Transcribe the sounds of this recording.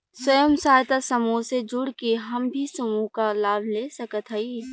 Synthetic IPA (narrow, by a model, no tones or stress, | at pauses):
swɐjəmsaːjt̪asɐmused͡ʒʊɽkeɦɐmbʱisɐmukalaːbʱlesɐkət̪ɦɐi